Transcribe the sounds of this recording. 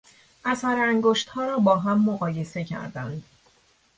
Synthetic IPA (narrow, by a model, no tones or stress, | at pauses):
ʔæsæɾæŋɡoʃt̪hɒːɾɒːbɒːɦæmːoɣɒːje̞se̞cʰæ̰ɾd̪ænd̪̥